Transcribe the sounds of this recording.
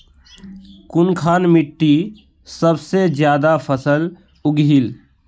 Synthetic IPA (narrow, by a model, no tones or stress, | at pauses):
kʊnkʰaːnmɪʈːi | səbsed͡ʒjaːd̪apʰəsəl | ʊɡɦil